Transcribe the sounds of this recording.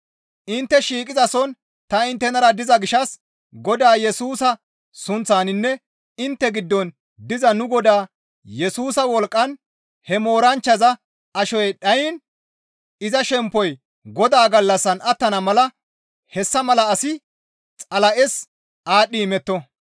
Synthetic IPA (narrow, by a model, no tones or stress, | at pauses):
ʔɪnt̪ːɛʃiːkʼɪzɐsɔn | t̪ɐɪnt̪ːɛnɐɾɐd̪ɪzɐɡɪʃɐs | ɡɔd̪aːjɛsuːsɐ | sʊnt͡sːaːnɪnːɛ | ɪnt̪ːɛɡɪd̪ːɔn | d̪ɪzɐnʊɡɔd̪aː | jɛsuːsɐwɔlkʼːɐn | hɛmo̞ːɾɐnt͡ʃːɐzɐ | ɐʃɔjɗɐjɪn | ɪzɐʃɛmpːɔj | ɡɔd̪aːɡɐlːɐsːɐnɐt̪ːɐnɐmɐlɐ | hɛsːɐmɐlɐːsɪ | t͡sʼɐlɐʔɛs | ʔaːɗːiːmɛt̪ːɔ